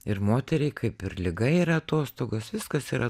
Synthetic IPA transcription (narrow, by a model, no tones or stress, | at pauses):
ɪɾmoːt̪ʲɛɾʲɛɪkʰɐɪpɪɾlʲɪɡɐiːɾɐɐt̪oːst̪oːɡosʋʲɪskɐsiːɾɐ